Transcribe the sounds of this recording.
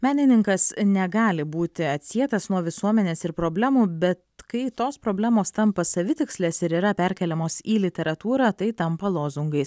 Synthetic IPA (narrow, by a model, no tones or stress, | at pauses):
mʲæːnʲɪnʲɪŋkɐsnʲɛɡɑːlʲɪbuːt̪ʲɪɐt̪ʲsʲiɛt̪ɐsnuɔʋʲɪsuɔmʲɛnʲeːsɪɾpɾoːbʲlʲæːmuːbʲɛt̪kɐɪt̪oːspɾoːbʲlʲæːmoːst̪ɐmpɐsɐʋʲɪt̪ʲɪksʲlʲɛːsɪɾiːɾɐpʲæɾʲkʲɛlʲɛmoːsiːlʲɪt̪ʲɛɾɐt̪uːɾɑːt̪ɐɪt̪ɐmpɐlˠoːzʊŋɡɐɪs